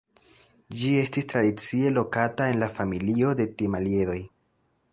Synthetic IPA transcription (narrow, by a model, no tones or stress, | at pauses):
d͡ʒie̞stistɾadit͡sie̞lo̞katae̞nlafamilio̞de̞timalje̞ɾo̞j